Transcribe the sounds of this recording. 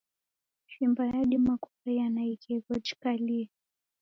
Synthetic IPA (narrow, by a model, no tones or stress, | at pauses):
ʃimbajaɗimakukajanaikɛɡɔt͡ʃkali